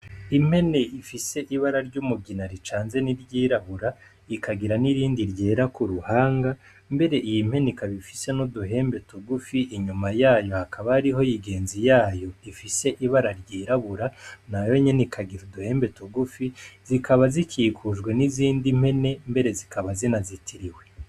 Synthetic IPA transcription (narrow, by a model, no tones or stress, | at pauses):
im̥he̞ne̞ifise̞ʔiβaɾaɾɟumuɡinaɾit͡ʃaːnze̞niɾɟiːɾaβuɾa | ikʰaɡiɾaniɾiːndiɾɟe̞ːɾakuɾuhaːŋɡa | mbe̞ɾe̞ʔijim̥he̞nekaβifise̞noduɦe̞ːmbe̞toɡufiʔiɲumajaːjo̞hakʰaβaɾiɦo̞jiɡe̞ːnzijaːjo̞ifise̞ʔiβaɾaɾɟiːɾaβuɾanajo̞ɲe̞nikʰaɡiɾuduhe̞ːmbe̞toɡufizikʰaβazikʰiːkʰuʒɡwe̞niziːndim̥e̞ne̞mbe̞ɾe̞zikaβazinazitʰiɾiwe̞